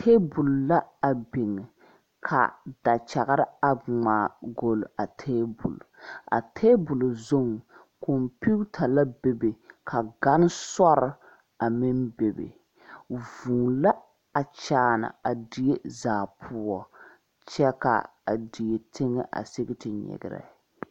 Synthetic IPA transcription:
tʰeː˦bu˨lla˦a˨bɪ˨ŋɪ˨ | kʰa̰˨d̥a˨t͡ʃa˨ɣa˦ɾɪ˦a˨ŋ͡maː˨ɡo˨la˨tʰeː˦bṵ˨la̰˨tʰeː˦bʊ˨lzo˦˨ŋ˨ | kʰo˨mpi˦tʰa˨la˦be˨be˨kʰa˨ɡa˦n˦sɔ˦ɾɪ˦ | a˨mɪ˦nbe˨bḛ˨ | vuː˨la˦ | a˨t͡ʃaː˨na̰˨a˨di˨e˦zaː˨pʰʊ˦ɔ˦ | t͡ʃɛ˦ka̰˨ | a̰˨di˨je˨tɪ˦ŋɛ˦ʔa̰˨se˦ɡɪ˦tɪ˨ɲɛ̰˨ɡɪ̰˨ɾɛ̰˨

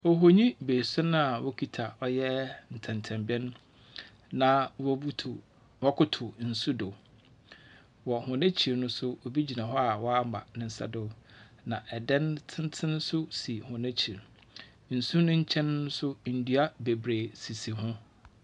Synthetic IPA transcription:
o˨ɦo˦ɲĩ˦beː˨sʊ˦nʊ̃˦a˨wo˦kʰi˨tʰa˨ɔ˦jɛ˦n̩˨tʰɛ̃˨ntʰɛ̃˨mbi˦ɛ˦n˦ | nã˨wɔ˦˨ | wɔ˦kʰʊ˦tʰʊ˨n̩˨su˦do˨ | wɔ˨hʊ̃˨nẽ˦t͡ɕʰi˨ɾnʊ̃˦sʊ˦o˨bi˦d͡ʑi˨nã˨ɦɔ˦a˨wɔ˦a˦ma̰˨nɪ̃˨n̩˨sɛ̰˨do˦˨ | nã˨ʔɛ˨dɛ̃˦ntʰɪ̃˦n˦tʰɪ̃˦n˦sʊ˦si˨hʊ̃˨nɛ̃˦t͡ɕʰi˨ɾ | n̩˨su˦nʊ̃˦ɲ̩˦t͡ɕʰɛ̃˦n˦ʊ̃˦sʊ˦n̩˨du˦a˦be˨bɾeː˨si˨si˨ɦʊ̃˦

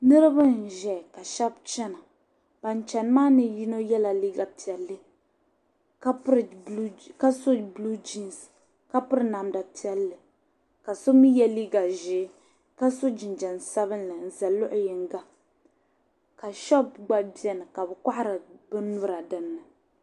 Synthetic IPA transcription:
nɨ˦ɾɨ˦ba˦n̩˨ʒɛ˨ka˨ʃɛ˦b̚t͡ʃɛ˦na˨ | b̥a˨n˨t͡ʃɛ˨n˦maː˦nɨ˦ji˦no˦jɛ˦la˨li˦ɡa˨pi˨ɛ˨lːɨ˦ | ka˦pɾka˦so˦blu˦d͡ʒi˦ns | ka˦pʊ˦ɾɨ˦na˨mda˨pi˦ɛ˦lːɨ˨ | ka˨so˦mi˦jɛ˦liː˦ɡa˨ʒɪː˨˦ | ka˦so˦d͡ʒɪ˨nd͡ʒɛ˨n˨sa˦βɨ˦nlɨ˨n̩˨za˨lʊ˦ʔʊ˨jɪ˨ŋ˦ɡa˦ | ka˨ʃɔ˦b̚ɡ͡ba˦bi˦ɛ˨nɨ˨ka˨bɛ˨ka˦ʔa˦ɾɨ˨bɨ˦n˦nu˦ɾa˨dɨ˨nːɨ˨

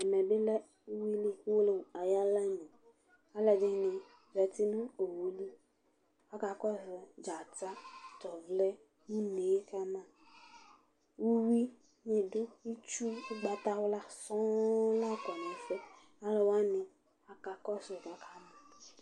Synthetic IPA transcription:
ɛ˨mẽ˨be˦lɛ˦ | wu˦wi˦le˦ku˦wo˦le˦wa˨ja˦la˦ɲẽ˨ | a˦le˨de˦nẽ˨ | vɛ˨t̪i˦nũ˦o˨wo˨li˦ | a˦ka˨kɔ˦ve˨d͡ʒa˨ta˦t̪ɔ˨vlɛ˦ | nũ˦ne˨˦ka˦mã˦ | wu˦wi˦ | ɲẽ˨ɖo˦wi˦t͡ʃu˦u˦ɡ͡ba˨t̪a˦wo˦la˦sɔ̃˦la˦kɔ˨nẽ˨fɛ˦ | a˦le˨wa˦nẽ˨ | a˨ka˨kɔ˦se˨ɡa˨kʰa˦mã˨

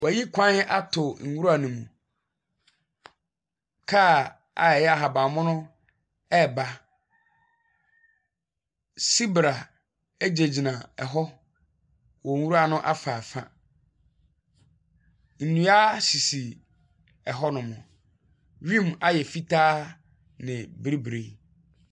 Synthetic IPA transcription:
wɔ˨æ˨ji˦kʰʷã˦n˦a˦tʰʊ˨ŋ̩˨wu˦ɾa˨nũ˨mũ˨ | kʰa˦ | a˨ɛ˨jɛ˦a˨ɦa˨ba˨mʊ̃˦nʊ̃˦ | ɛ˦˨ba˦ | si˦bɾa˨ | e˦d͡ʑe˨d͡ʑi˨nã˨ɛ˨ɦɔ˦ | wɔ˨wu˦ɾa˦˨nʊ̃˦ʔa˦fa˨fã̰˦ | n̩˨nũ˨˦a˦si˨si˨ | ɛ˨ɦɔ˦nʊ̃˨mʊ̃˨ | ɾĩ˦ma˦jɛ˨fi˦tʰaː˦ | nɪ̃˨bɾi˦bɾe˨˦

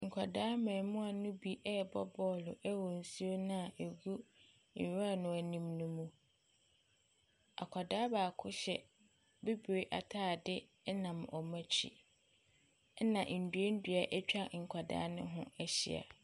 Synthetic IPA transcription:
ŋ̩˨kʰa˨daː˦mã˨mũ˦a˨nʊ̃˦bi˦ʔɛ˦bɔ˦bɔː˦lʊ˨ʔæ˦wɔ˨n̩˨su˦o˦nã˦a˨ʔe˨ɡu˦˨ | ɾa˦˨nʊ̃˨æ˨nĩ˦mnũ˦mũ˦ | a̰˨kʰa˨daː˦baː˨kʰʊ˦ɕɛ˨ | be˦bɾe˦ʔa˨tʰaː˦˨dɪ˦ | nã˨mʔɔ˨mã˦t͡ɕʰḭ˦ | ɛ˦nã˨ʔn̩˨du˨e˦n̩˦dɥa˨ʔɛ˦t͡ɕᶣa˦ŋ̩˨kʷʰa˨da̰ː˦nʊ̰̃˦ɦʊ̃˦æ˦ɕḭ˨a̰˨

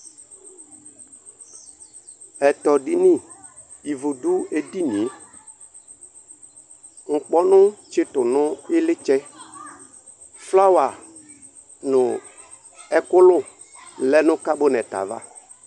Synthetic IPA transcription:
ɛ˨tɔ˨di˦nĩ˦˨ | i˨vo˨du˦e˨di˦nĩ˨e˨˦ | ŋ̩˨k͡pɔ˦nʊ̃˦t͡ʃɪ˦tʊ˨nʊ̃˦ɪ˦lɪ˦t͡ʃɛ˦ | fla˦wa˨ | nʊ˨ | ɛ˨kʊ˦lʊ˦ | lɛ˦nʊ̃˦ka˦bʊ˦nɛ˨ta̰˨va̰˦

